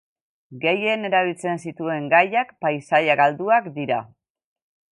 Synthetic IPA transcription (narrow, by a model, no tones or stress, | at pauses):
ɡe̞je̞ne̞ɾaβ̞ilt͡se̞nsit̪ue̞ŋɡajakpajsajaɡald̪uakd̪iɾa̰